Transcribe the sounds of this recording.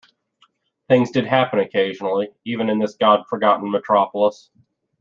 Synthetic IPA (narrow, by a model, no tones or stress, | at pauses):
θɪ̃ŋzdɨd̚ɦæpɨ̃nɨkʰeɪʒnl̩ˠiivɨ̃nɨ̃nðɪsɡ̥ɑd̥fə˞ɡɑʔn̩mɨtʰɹ̥ɑpl̩ˠəs